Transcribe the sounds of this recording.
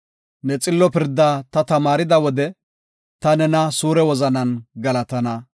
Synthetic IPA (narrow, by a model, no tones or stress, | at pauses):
nɛt͡sʼɪlːɔpɪɾd̪ːaːt̪ɐt̪ɐmaːɾɪd̪ɐwɔd̪ɛ | t̪ɐnɛnɐsuːɾɛwɔzɐnɐnɡɐlɐt̪ɐnɐ